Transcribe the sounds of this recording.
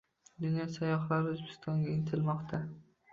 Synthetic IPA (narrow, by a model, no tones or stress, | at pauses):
d̪ʊnjɒsajɒχlaɾɪʊzbɪst̪ʰɒŋɡʲaɪŋt̪ʰɪlmɒqt̪ʰa